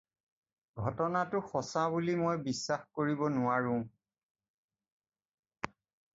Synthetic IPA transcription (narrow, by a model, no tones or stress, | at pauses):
ɡʱɔtɔnatʊxɔsabulimojbisːaxkoɹibɔnʊaɹʊ̃